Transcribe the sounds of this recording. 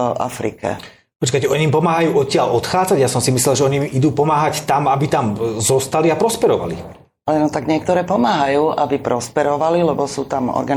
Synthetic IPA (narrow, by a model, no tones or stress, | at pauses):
a̰fɾḭkɛ̰ | pɔt͡ʃkacɛɔɲimpɔmaːɦajuːɔcːɪalɔt̪xaːd͡zaɟjasɔmsimis̬lɛlʒɛɔɲimid̪uːpɔmaːɦact̪amabit̪amzɔst̪aliapɾɔspɛɾɔʋa̰lḭ | alɛnɔt̪aɡɲɪɛk̚t̪ɔɾɛːpɔmaːɦajuːʔabipɾɔspɛɾɔʋalilɛbɔsuːt̪amɔ̰ɾɡan